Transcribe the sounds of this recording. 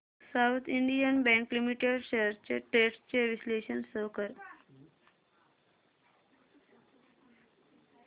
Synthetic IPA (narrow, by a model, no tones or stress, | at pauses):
sawt̪ʰiɳɖijənbɛ̃ŋklimiʈeɖɕeəɾt͡ɕeʈeʈst͡ɕeʋisleɕənsəʋkəɾ